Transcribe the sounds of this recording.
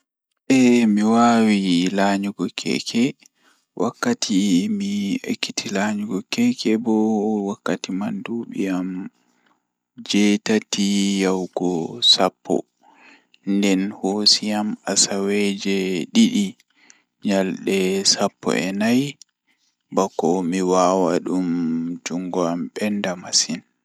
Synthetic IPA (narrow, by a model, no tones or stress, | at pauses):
ɓɛmiwawilaɲuɡɔkʰɛ̰kʰɛ | wʔakːatʰimiḛkːitʰilaɲuɡɔkɛkʰɛbɔwakːatimanduɓiam | d͡ʒɛtatijawɡɔsapʰːɔ̰ | ndɛnhosijamasawɛd͡ʒɛɗiɗi | ɲalɗɛsapːɔ̰ʔɛnaj | bakːɔmiwawaɗumd͡ʒuŋɡɔamɓɛndamasin